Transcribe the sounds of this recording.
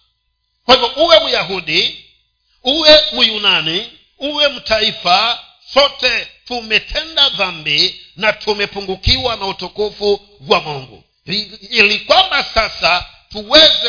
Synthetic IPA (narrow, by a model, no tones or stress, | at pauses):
kwahivɔʔuwɛmujaɦuɗi | uwɛmujunani | uwɛm̩taifa | sɔtɛtumɛtʰɛndaðambinatʰumɛpuŋɡukiwanautɔkɔfu | ɡwamɔŋɡṵ | ilikwambasasa | tuwɛzɛ